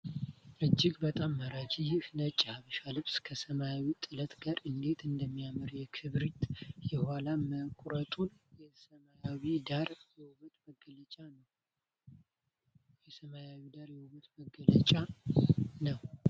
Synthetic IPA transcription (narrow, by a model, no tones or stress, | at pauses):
ʔɨd͡ʒːɪɡbət̪ʼamːaɾad͡ʒijfnət͡ʃʼːahaβəʃalɨβskʰəsəmajawit̪ʼɨlət̪ɡaɾɨnd̪e̞t̪ʰɨnd̪əmːijamɨɾjɛkʰɨβɾit̪jɛhalaməkʼɾət̪ʼunjɛsəmajawid̪aɾjɛwβt̪məɡələt͡ʃʼanə | jɛsəmajawid̪aɾjɛwuβət̪məɡələt͡ʃʼa | nəw